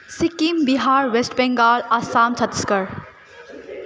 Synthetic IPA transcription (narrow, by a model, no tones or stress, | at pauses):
sikimbiɦaːɾʋesʈbɛ̃ŋɡaːlasaːmt͡ʃʰɐt̪skəɾ